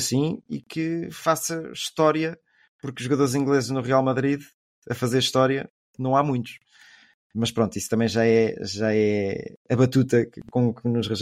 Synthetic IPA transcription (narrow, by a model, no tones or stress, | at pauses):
sĩḭkɨfasɐʃt̪ɔɾjɐ | puɾkuʒːuɣɐðoɾzĩŋɡlˠezʒnuʁialˠmɐðɾið | ɐfɐzeɾʃt̪ɔɾjɐ | nɐ̃w̃amũj̃t̪u̥ʃ | mɐʃpɾõnt̪uist̪ɐmɐ̃j̃ʒaɛʒaɛɐβɐt̪ut̪ɐkõknuʃʁɨʒ